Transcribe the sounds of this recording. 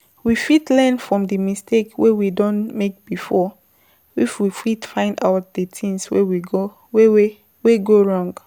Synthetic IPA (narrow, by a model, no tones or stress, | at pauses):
wifitlɛnfɹɔ̃mdəmistʰekwewidɔ̃nmek̚b̥ifɔ | ifwifitfãɪ̃ndaʊt̚d̥ətʰĩnswḛwiɡo | we | weɡoɹɔ̃ŋɡ